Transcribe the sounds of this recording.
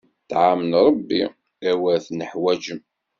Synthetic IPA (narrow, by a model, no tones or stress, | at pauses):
t̪ʕamənɾˤɑbːi | æwæθnəħwæd͡ʒəm